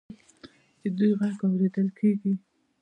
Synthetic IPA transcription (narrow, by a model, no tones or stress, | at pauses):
d̪̥əd̪ujɣaɡawɾed̪əlkʰeɡi